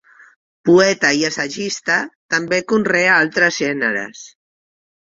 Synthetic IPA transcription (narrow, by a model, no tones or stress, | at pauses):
puɛt̪əiəsaʒist̪at̪ambekunrɛaalˠt̪ɾəzʒɛnə̰ɾə̰s